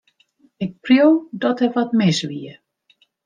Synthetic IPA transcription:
ɪk̚prjowdɔtɛʋɔtmɪsʋiə

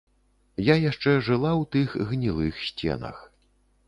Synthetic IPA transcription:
jajaʂt͡ʂɛʐɨlˠawt̪ɨxɣnʲilˠɨxsʲt͡sʲɛ̰nɐ̰x

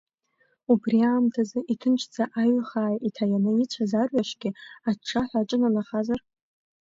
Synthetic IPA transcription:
ubriaːmtʰazɨʔitʰɨnt͡ʃʰd͡zaʔaɥχaːjitʰajanɨit͡ɕʷʰazarɥaʂɡʲɪaʈ͡ʂʰːaħʷaʈ͡ʂʼɨnanaχazar

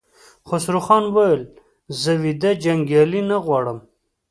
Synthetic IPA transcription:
χosɾuxɑnwajel | zəwid̪ad͡ʒaŋɡjɑlinaɣwɑɽəm

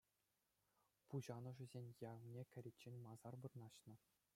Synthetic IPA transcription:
puʑɑnɤ̆ʐɘ̆zʲenʲjɑvnʲekʲɘ̆ɾʲetʲt͡ɕːenʲmɑzɑrbɤ̆rnɑɕnɤ̆

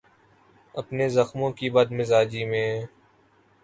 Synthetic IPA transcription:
əpneːzəxmõːkiːbəd̪mɪzaːd͡ʒiːmẽː

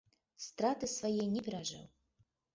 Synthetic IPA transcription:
st̪ɾat̪ɨsvajɛnʲɛpʲɛɾaʐɛ̰w

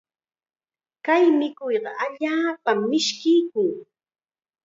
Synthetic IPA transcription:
kajmɪkʊjɢɑʔaʎaːpamːɪʃkɪjkʊŋ

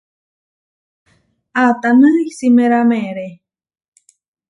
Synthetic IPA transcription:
at̪anɨisimẽɾamẽɾe

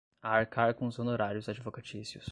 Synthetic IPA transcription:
aːɾkaɾkõzonoɾaɾjʊzad͡ʒivokat͡ʃisjʊ̰s

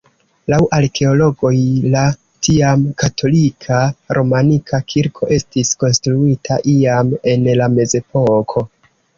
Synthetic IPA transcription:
lawʔaɾkʰe̞o̞lo̞ɡo̞jla | tʰiamkatʰo̞likʰaɾʔo̞manikʰakʰiɾkʰo̞ʔe̞stisko̞nstɾuitʰaʔiame̞nlame̞ze̞po̞kʰo̞

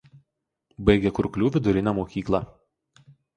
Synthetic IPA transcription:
bɐɪɡʲɛkʊɾklʲuːʋʲɪd̪ʊɾʲɪnʲɛmoːkʲiːklˠɑ

